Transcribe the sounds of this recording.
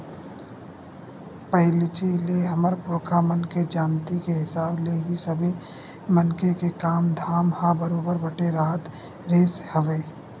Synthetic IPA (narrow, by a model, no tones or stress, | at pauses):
pəɦɪlɪt͡ʃileɦɐməɾpʊɾkʰamənked͡ʒaːnt̪ikeɦɪsaːbleɦisɐbʱi | mɐnkekekaːmd̪ʱaːmhabəɾoːbəɾbɐʈeɾaːt̪ | ɾeːshɐʋeː